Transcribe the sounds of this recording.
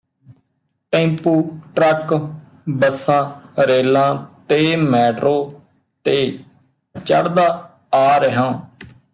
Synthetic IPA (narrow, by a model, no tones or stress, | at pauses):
ʈẽːmpuːʈɾək | bəsãːɾeːlãːt̪eːmɛːʈɾoː | t̪eː | t͡ʃə̰ɽd̪aː | aːɾəɦãː